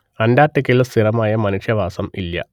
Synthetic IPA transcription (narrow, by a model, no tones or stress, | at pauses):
ɐndaːtːɐkʲːilst̪ʰirɐmaːjɐmɐnuʂjɐʋaːsɐmilːɐ̰